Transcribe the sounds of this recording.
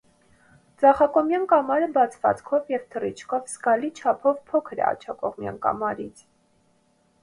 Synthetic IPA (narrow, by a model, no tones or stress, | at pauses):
t͡sɑχɑkɔmjɑnkɑmɑɾəbɑt͡sʰvɑ̰t͡skʰɔvjɛvt̪ʰərit͡ʃʰkʰɔvsɡɑlit͡ʃʰɑpʰɔvpʰɔkʰəɾɛ̰ɑ̰t͡ʃʰɑkɔʁmjɑ̰nkɑ̰mɑɾit͡sʰ